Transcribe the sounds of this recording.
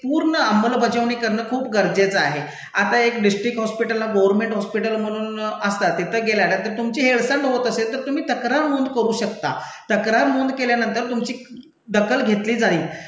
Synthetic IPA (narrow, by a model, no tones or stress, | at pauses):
puːɾɳəaməlbʱəd͡ʑəʋɳiːkəɾɳəːkʰuːpɡəɾd͡zet͡saɦe | at̪aekɖisʈɾikɦɔspiʈəlːaɡoʋəɾmeɳʈɦɔspiʈəlm̤əɽ̃uːnəst̪at̪it̪ʰəːɡeljanət̪əɾt̪umt͡ɕiːɦeɭsəɳɖɦot̪əselt̪əɾt̪um̤iːt̪əkɾamond̪kəɾuːɕəkt̪a̰t̪əkɾamond̪keljanənt̪əɾt̪umt͡ɕiː | d̪əkəlɡʱet̪liːd͡zaiː